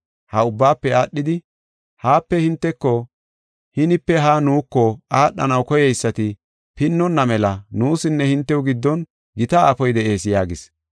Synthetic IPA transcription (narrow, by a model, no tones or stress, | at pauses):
hɐʊbːaːpːɛaːɗːɪd̪ɪ | haːpːɛhɪnt̪ːɛkːɔ | hɪnɪpːɛɦaːnuːkːɔaːɗːɐ̰nɐwkɔjɛjsːɐt̪ɪ | pɪnːɔnːɐmɛlɐnuːsɪnːɛhɪnt̪ːɛʊɡɪd̪ːɔn | ɡɪt̪ɐaːfɔjd̪ɛʔe̞ːsjaːɡɪs